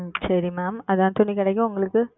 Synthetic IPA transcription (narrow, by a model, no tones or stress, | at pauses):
sɐɾimaːmɐðãːnt̪ʊɳːikɪɽɐk̬ːʊ̃ʊŋɡɐɭɯkːɯ